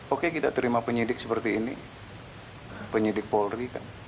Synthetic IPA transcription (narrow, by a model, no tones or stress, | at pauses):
okekit̪a̰t̪əɾimapəɲidɪk̚səpərt̪iːnḭ | pəɲidɪk̚polrika̰n